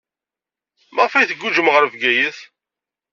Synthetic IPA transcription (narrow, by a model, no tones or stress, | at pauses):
mæʁfæjθəɡːud͡ʒəmʁəɾəvɡæjəθ